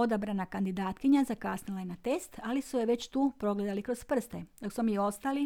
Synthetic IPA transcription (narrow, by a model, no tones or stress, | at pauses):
od̪abɾanakand̪id̪aːt̪kiɲazakasnilˠajenat̪e̞st̪alisujeʋe̞t͡ɕt̪uːpɾo̞ɡled̪alikɾo̞spr̩st̪ed̪̥o̞ksmomio̞st̪ali